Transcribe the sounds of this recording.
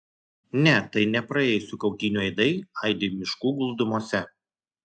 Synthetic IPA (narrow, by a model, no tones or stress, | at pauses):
nʲɛt̪ɐɪnʲɛpɾɐɛːjʊsʲʊkɐʊt̪ʲiːnʲuːɛɪd̪ɐɪɐɪd̪ʲemʲɪʃkuːɡlˠʊd̪ʊmuɔsʲɛ